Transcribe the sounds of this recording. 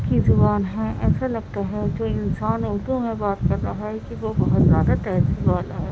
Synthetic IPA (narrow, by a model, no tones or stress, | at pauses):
kizʊbaːnɦɛ̃ʔɛːsalɐɡt̪aɦɛd͡ʒoːɪnsaːnʊɦd̪umẽbaːt̪kɐɾːɐɦaɦɛkiʋobɐɦʊt̪zjaːd̪at̪ɛːziʋaːlaɦɛː